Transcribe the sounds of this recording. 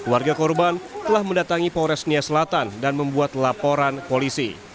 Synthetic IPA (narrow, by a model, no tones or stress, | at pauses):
kluwarɡakɔrbant̪əlahməndat̪aŋipɔɾɛsniasəlat̪andanməmbuat̪lapoɾankolisḭ